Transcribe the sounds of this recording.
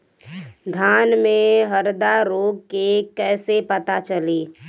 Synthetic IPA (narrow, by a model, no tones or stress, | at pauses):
d̪ʱjaːnmẽɦəɾd̪aɾoːɡ̚kekɛːsepət̪at͡ʃəleː